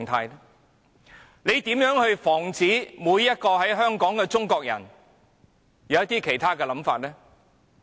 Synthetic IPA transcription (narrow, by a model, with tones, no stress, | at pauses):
ŋt̪ʰaː˧jɛ˥ | le˨˧jt̪iː˨˥mjœː˨˥ŋhɵ˧ɥfɔː˨˩ŋt͡siː˨˥muː˨˧jːɐ˥t̚kɔː˧ɦɐ˨˥jɦœː˥ŋkɔː˨˥ŋkɛː˧t͡sʊ˥ŋkɔː˧k̚jɐ̰˨˩n | jɐ˨˧wjɐ˥t̪iː˥kʰe˨˩jt̪ʰaː˥kɛː˧lɐ˨˥mfaː˧t̚lɛː˥